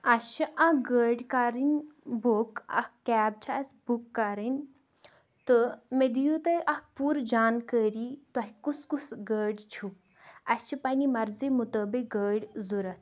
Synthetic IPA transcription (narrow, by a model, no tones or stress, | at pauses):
ɐt͡ʃʰiʔɐɡəːɖkaɾinʲbokɐ̰kkɛːb̚t͡ʃʰasbukːaɾinʲ | t̪ɨmed̪ijut̪əʔɐk̚ʰpuːɾd͡ʒaːnkəːɾit̪ɐɦikuskusɡəːɖt͡ʃʰu | ɐt͡ʃʰipɐnimɐɾzimut̪oːbiɡəːɖʲzuɾɐt̪̚ʰ